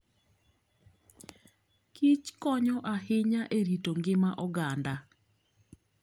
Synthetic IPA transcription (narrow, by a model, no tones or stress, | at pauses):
kit͡ʃkɔɲɔʔahɪɲaʔeɾitoŋɡɪmaʔɔɡanda